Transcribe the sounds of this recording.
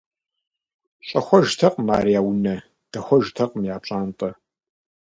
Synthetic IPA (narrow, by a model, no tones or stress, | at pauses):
ɕʼɐxʷɔʒtʰɐqʼma̰ːɾijaːwnɐ | d̥ɐxʷɔʒtʰɐqʼmjaːt͡ʃʼaːntʼɐ